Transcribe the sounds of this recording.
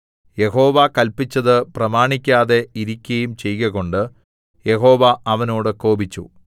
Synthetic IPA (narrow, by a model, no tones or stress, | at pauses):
je̞ɦo̞ːʋakɐlpit͡ɕːɐðɨprɐmaːɳikʲːaːðe̞iɾikʲːɐjumt͡ɕe̞jɣɐɣo̞ɳɖɨ | je̞ɦo̞ːʋɐʔɐʋɐno̞ːɽɨko̞ːbit͡ɕːṵ